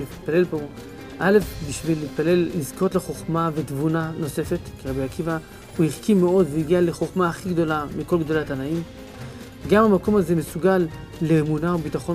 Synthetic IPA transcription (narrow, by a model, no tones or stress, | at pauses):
it̚pale̞lpo̞ | ʔale̞fbiʃvilːit̪̚pale̞lːizko̞t̪le̞χo̞χmavet̪vunano̞se̞fe̞t̪kiʁabijakiva | huhiʁkimːe̞o̞d̪veiɡiale̞χoχmaːχiɡd̪o̞lamiko̞lɡd̪o̞lat̪anaim | ɡamamako̞maze̞mesuɡalː | e̞ːmunaobit̪aχo̞